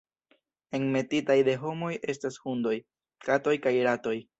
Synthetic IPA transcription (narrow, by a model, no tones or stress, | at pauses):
e̞ŋme̞titajde̞ɦo̞mo̞jʔe̞stashundo̞j | kato̞jkajɾato̞j